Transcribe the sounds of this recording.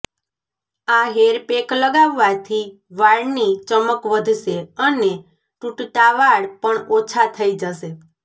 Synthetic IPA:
aɦeɾpekləɡaʋːat̪ʰi | ʋaɭnit͡ʃəməkʋəd̪ʱʃeəne | ʈuʈʈaʋaɽpəɳot͡ʃʰat̪ʰəid͡ʒəʃe

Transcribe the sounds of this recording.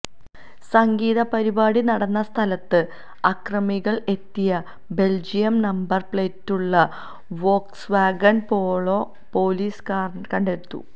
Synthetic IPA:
sɐŋɡiːðɐpɐɾibaːɽinɐɽɐnːɐst̪ʰɐlɐt̪ːɨ | ɐkrɐmiɣɐɭe̞t̪ːijɐ | be̞ld͡ʑijɐmnɐmbɐrpɭetːuɭːɐ | ʋo̞ːksʋaːɡɐnpo̞ːɭo̞ː | po̞ːliːskaːr | kɐɳɖeɾut̪ːṵ

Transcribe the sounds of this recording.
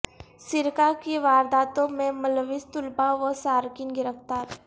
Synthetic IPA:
sɪɾkakeʋaːɾd̪aːt̪õmẽmɐlʋɪst̪ʊlpaʋosaːɾkɪnɡɪɾəft̪aːɾ

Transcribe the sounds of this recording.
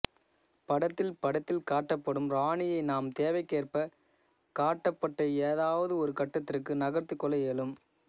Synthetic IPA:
pɐɽɐt̪ːɪlpɐɽɐt̪ːɪlkaːʈːɐpːɐɽɯmɾaːɳɪjɐɪnaːmt̪eːʋɐɪkːeːrpɐ | kaːʈːɐpːɐʈːɐeːðaːʋɐðɯɔɾɯkɐʈːɐt̪ːɪrkːɯnɐɣɐrt̪ɯkːɔlɐɛlɯm

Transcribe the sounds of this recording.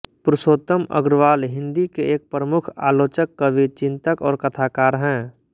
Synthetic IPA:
pɾɪʃoːt̪əmə̰ɡɾʋaːlɦɪ̃nd̪ikeeːk̚pɾəmʊkʰa̰ːloːt͡ʃəkːəʋit͡ʃɪ̃nt̪əkɔːɾkɐt̪ʰaːkaːɾɦɛ̃ː

